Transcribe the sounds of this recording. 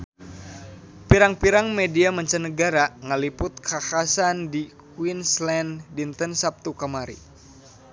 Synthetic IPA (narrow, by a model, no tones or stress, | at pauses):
piɾaŋpiɾaŋmediaməɲt͡ʃənːəɡaɾaŋəlipʊt̪̚kʰakasandi | kwinslɛndint̪ənsap̚t̪ukəmaɾḭ